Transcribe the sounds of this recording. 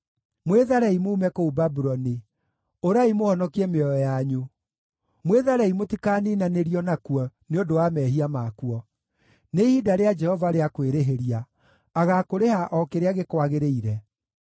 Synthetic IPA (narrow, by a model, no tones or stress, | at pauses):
mweðaɾɛimuːmɛkoubabuɾɔni | oɾaimohɔnɔkiɛmeɔɔjaɲo | mweðaɾɛimotikaːniːnaneɾiɔnakuɔneodowamɛɦiamakwɔ | neihidaɾead͡ʒɛhɔvaɾeakweɾeɦeɾiaː | ɣakoɾehaʔɔkeɾeaɣekwaɣeɾeiɾɛ